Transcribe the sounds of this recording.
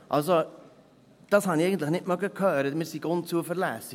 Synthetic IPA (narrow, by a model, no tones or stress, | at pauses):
ʔɑls̬o | d̥ɑshɑnieɪɡən̩t̪ləxnɪtmœɡəkʰhœːɾətmɪːɾsiɡontt͡suəfəɾlæːsi